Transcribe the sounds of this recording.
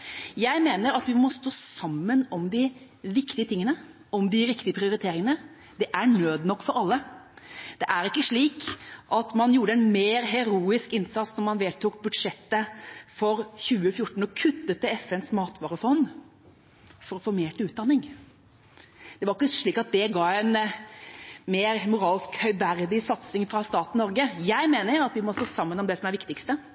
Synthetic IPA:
jæɪmeːnəɾɑt̪ʋɪmɔːst̪oːsɑmːənɔmd̪ɪ | ʋɪkt̪ɪət̪ʰɪŋːənə | ɔmd̪ɪɾɪkt̪ɪəpʰɾɪʊɾɪt̪ʰeːɾɪŋənə | d̪ɛʔæɳøːd̪nɔkːfɔɾɑlːə | d̪̥ɛʔæɾɪkːəʂɭiːkʔɑt̪mɑnjuːɖəɛnmeːɾɦɛɾuːɪskɪnsɑt̪snɔmɑnʋeːt̪uːk̚bʉd̪ʂɛt̪ːəfɔɾçʉːəfjʊʈɳ̩ɔkʰʉt̪ːət̪əɛfɛnsmɑːt̪ʋɑːɾəfɔnː | fɔɾɔfoːmeːʈʉːt̪̚d̪ɑnɪŋ | d̪̥ɛʋɑɾɪkːəʂɭiːkɑt̪̚d̪ɛɡɑːɛn | meːɾmʊɾɑːlskhœʏʋæɾd̪ɪsɑt̪sɪŋfɾɑst̪ɑːt̪n̩nɔɾɡəjæɪmeːnəɾɑt̪ʋɪmɔst̪oːsɑmːənɔmd̪ɛsɔmæɾʋɪkt̪ɪkst̪ə

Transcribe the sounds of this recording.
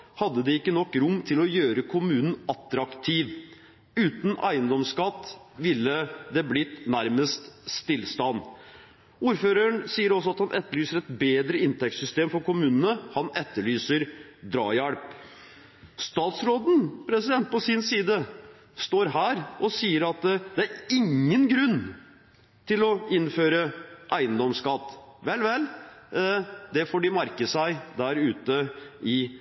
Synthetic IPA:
hɑd̪ːəd̪ɛɪkːənɔkːɾʊmːt̪ʰɪlɔjøːɾəkʰʊmʉːnən̩ɑt̪ɾɑkt̪ʰiːʋ | ʉːt̪n̩æ̰ɪənd̪ɔmskɑt̪ːʋɪlːəd̪ɛblɪt̪næɾməst̪st̪ɪlːst̪ɑnː | uːɾføːɾəɳsiːəɾɔsːɔɑt̪hɑnʔɛt̪ːəɭyːsəɾɛt̪beːd̪ɾəɪnt̪ʰɛk̚t̪sʏst̪eːmfɔɾkʊmʉːnənəhɑnɛt̪ːəɭyːsəɾd̪ɾɑ̰ːjæɽp | st̪ɑːt̪sɾoːd̪n̩pʰɾɛsɪd̪ɛnt̪̚pɔsɪnsiːd̪ə | st̪oːɾɦæːɾɔsiːəɾɑt̪d̪ɛæɾɪŋːənɡɾʉnː | t̪ʰɪlɔɪnføːɾəʔæɪənd̪ɔmskɑt̪ːʋɛlːʋɛl | d̪ɛfɔːɖɪmæɾkəsæɪd̪æɾʉːt̪əɪ

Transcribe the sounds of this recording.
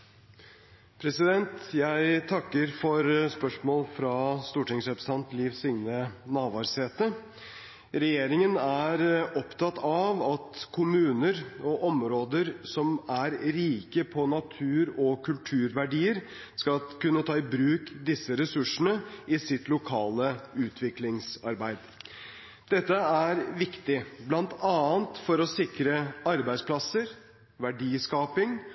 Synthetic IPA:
pʰɾɛsɪd̪ɛnt̪jæɪt̪ʰɑkːəɾfɔɾspœʂmoːlfɾɑst̪uːʈɪŋsɾɛpɾsɑnt̪liːʋsɪŋnənɑːʋɑːɾseːt̪ə | ɾɛjeːɾɪŋənæɾɔpt̪ʰɑt̪ːɑʋɑt̪kʰʊmʉːnəɾɔʔɔmɾoːd̪əɾsɔmæɾɾiːkəpʰɔnɑt̪ʰʉːɾɔkʰʉlt̪ʰʉːɾʋæɖiːəɾ | skɑlkʉnːət̪ʰɑːɪbɾʉːkd̪ɪsːəɾɛsʉʂənəɪsɪt̪lʊkʰɑːləʉːt̪ʰʋɪklɪŋsɑɾbæɪd̪ | d̪̥ɛt̪ːəæɾʋɪkt̪ɪblɑnt̪ɑːənt̪fɔɾɔsɪkɾəɑɾbæɪspʰlɑsəɾ | ʋæɖiːskɑːpɪŋ

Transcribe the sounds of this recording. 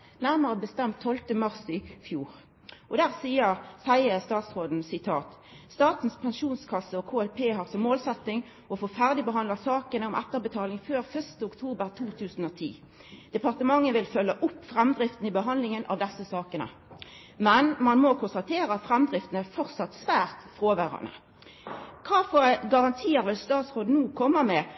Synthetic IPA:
næʁməʁəbəst̪ɛmt̪ʰːɔlt̪əmɑʁsɪfjuːʁ | ʔɔd̪æːʁsiːəʁsæɪəst̪ɑːt̪sʁoːd̪n̩sɪt̪ʰɑːt̪ | st̪ɑːt̪n̩spʰɛnʃuːnskʰɑsːəɔkʰoːɛlpʰeːɦɑːʁsɔmːoːlsɛt̪nɪŋ | ɔfoːfæʁd̪ɪbəɦɑnd̪lɑsɑːkənəɔmʔɛ̰t̪ːəʁbət̪ʰɑːlɪŋføːʁfœʁʂt̪əʊkt̪ʰuːbəʁt̪ʰuːt̪ʰʉːsn̩ɔt̪ʰḭː | d̪̥ɛpʰɑʁt̪əmɑŋːəʋɪlfœlːəʔʊpːfʁɛmd̪ʁɪft̪n̩ɪbəɦɑnd̪lɪŋənʔɑ̰ʋd̪ɛsːəsɑːkənə̰ | mɛnmɑnmɔkʰʊnst̪ɑt̪ʰeːʁəɑt̪fʁɛmd̪ʁɪft̪ənəæfɔʁsɑt̪sʋæːʁt̪fʁoːʋæːʁɑ̰nə̰ | kʰɑːfoːɾɡɑʁɑnt̪ʰiːəɾʋɪlst̪ɑːt̪sʁoːd̪nuːkʰɔmːəmɛ

